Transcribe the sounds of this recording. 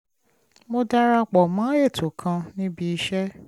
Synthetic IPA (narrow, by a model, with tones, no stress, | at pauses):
mo˧da˦ɾa˧k͡pɔ˨mãː˨˦e˦˨tʰo˨kʰã˧nĩ˦bi˧i˧ʃɛ˦